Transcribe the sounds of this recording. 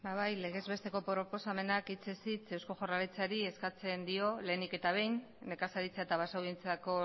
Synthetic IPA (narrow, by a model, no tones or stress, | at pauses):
baβajle̞ɣ̞e̞zβe̞st̪e̞ko̞pɾo̞po̞same̞nakit͡sesit͡se̞wsko̞ʝoralit͡saɾie̞skat͡se̞nd̪io̞le̞ːnike̞t̪aβ̞e̞jnː | e̞kasaɾit͡seaet̪aβasawðie̞nt͡sako̞